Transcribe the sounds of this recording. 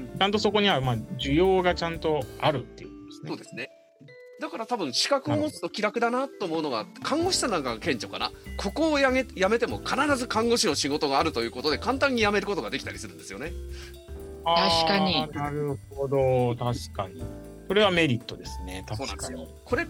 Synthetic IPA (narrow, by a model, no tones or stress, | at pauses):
t͡ɕãnt̪o̞so̞ko̞ɲ̟iβamaʑɨjo̞ːɡat͡ɕãnt̪o̞aɾɯ̟t̪ːe̞iɯ̟k̪d̥̪esno̞ːd̪e̞sɨne̞ | d̪akaɾat̪abɯ̟̃ɰ̃ɕi̥kakɯ̟o̞mo̞t͡sɨ̥t̪o̞kʲiɾakɯ̟d̪anat̪ːo̞ːmoɯ̟no̞ɡakʰãŋɡo̞ɕi̥sanãŋkaɡkẽ̞ɲ̟t͡ɕo̞ka̰na̰kʰo̞ko̞ːjaejame̞t̪e̞mo̞kʰanaɾazɨkãŋɡo̞ɕino̞ɕiɡo̞t̪o̞ɡaːɾɯ̟t̪o̞jɯ̟ːko̞t̪o̞d̪e̞kãnt̪ãɲ̟ːijame̞ɾɯ̟ko̞t̪oɡad̪e̞kʲi̥t̪aɾʲisɨɾɯ̟nd̪e̞sɨjo̞ne̞ | aaɕkaɲinaɾɯ̟hod̪o̞t̪aɕi̥kaɲ̟i | so̞ɾe̞βame̞ɾʲit̪ːo̞d̪e̞sɨne̞̰t̪aoːnã̰s | kʰo̞ɾe̞